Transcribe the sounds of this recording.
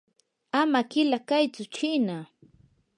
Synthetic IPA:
amakɪlakajt͡sʊt͡ʃiːna

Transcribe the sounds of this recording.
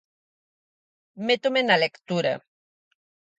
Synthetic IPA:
met̪umenalekt̪uɾa̰

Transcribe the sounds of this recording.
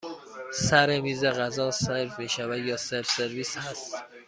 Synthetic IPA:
sæɾemiːzeɣæzɒːseɾfmiːʃævæd̪jɒːseɾfseɾviːshæst̪

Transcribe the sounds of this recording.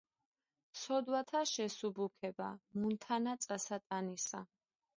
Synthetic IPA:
sʰɔd̪wat̪ʰaʃɛsubukʰɛba̰munt̪ʰanat̪sʼasat̪ʼanisa

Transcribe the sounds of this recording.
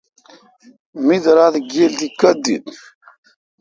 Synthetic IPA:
miðɾˤaðəɡːild̪ikːæd̪ḭd

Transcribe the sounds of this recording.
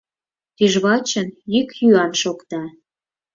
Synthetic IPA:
t̪iʒβɑt͡ɕənikjyɑnʃokt̪ɑ

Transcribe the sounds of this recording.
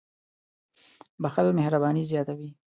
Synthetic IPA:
baxalmehɾabɑːnizjɑt̪awi

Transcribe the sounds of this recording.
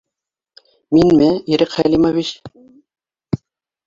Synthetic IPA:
minmɘiɾɘqχælʲimovʲit͡ɕ

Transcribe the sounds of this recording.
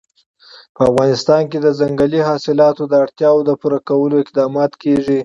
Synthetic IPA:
pəafɣɑnɪst̪ɑnked̪əzaŋɡəliɦɑsɪlɑt̪od̪əaɽt̪jɑwod̪əpuɾakawəloɪq̚d̪ɑmɑt̪keʐi

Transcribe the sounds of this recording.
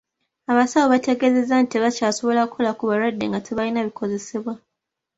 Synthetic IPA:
aβasawoβate̞ɡe̞ze̞zːantiβacaːso̞βo̞lakʰolakuβaɾadːḛŋɡatʰiβalinaβikʰo̞ze̞siβwa

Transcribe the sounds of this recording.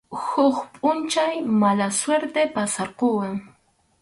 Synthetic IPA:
hʊχpʼʊnt͡ʃajmalasweɾt̪epasɑɾqowaŋ

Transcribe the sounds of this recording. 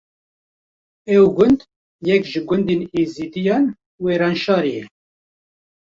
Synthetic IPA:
ɛwɡʊnd̪ | jɛkʒɨɡʷʊnd̪iniːziːd̪ijɑːn | weːɾɑːnʃɑːɾijɛ

